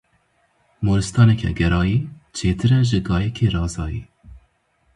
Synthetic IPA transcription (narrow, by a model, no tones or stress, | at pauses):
moːɾɨst̪ɑːnɛkʰɛ̰ɡɛɾɑːjiːt͡ʃʰeːt̪ʰɨɾɛʒɨɡɑːjɛkʰeːɾɑːzɑːjiː